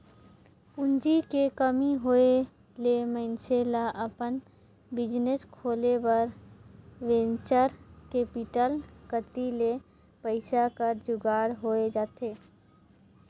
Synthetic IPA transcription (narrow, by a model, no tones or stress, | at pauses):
pʊnd͡ʒikekəmiɦoe | lemə̃nselaʔəpən | bɪd͡ʒneskʰoːlebəɾ | ʋẽnt͡ʃəɾkepɪʈəlkət̪ile | pəɪsakəɾd͡ʒʊɡaːɽɦoed͡ʒaːt̪ʰeː